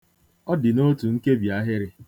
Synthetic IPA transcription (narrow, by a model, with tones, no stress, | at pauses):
ɔ˦dɪ˨no˦tu˨ŋ̩˦ke˦bja˦ɦɪ˦ɾɪ˦